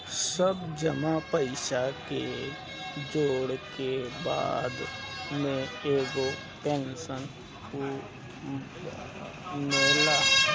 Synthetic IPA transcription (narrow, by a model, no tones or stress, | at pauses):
səbd͡ʒəmapəɪʃake | d͡ʒoːɽkeba̰ːd̪mẽeːɡo | ʈɛ̃ːnsən | ko | meːlaː